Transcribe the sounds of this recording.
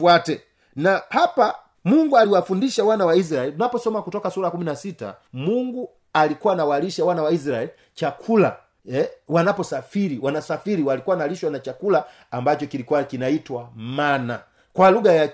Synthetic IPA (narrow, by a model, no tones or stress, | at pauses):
atɛ | nahapa | muŋɡualiwafundiʃawanawais̬ɾaɛliunapɔsɔmakutɔkasuɾakuminasita̰muŋɡu | alikuwanawaliʃawanawais̬ɾaɛli | t͡ʃakʰula̰ | ɛwanapɔsafiɾiwanasafiɾiwalikuwanaliʃwanat͡ʃakulaː | mbat͡ʃɔkilikuwakinaitwamana̰ | kwaluɡaja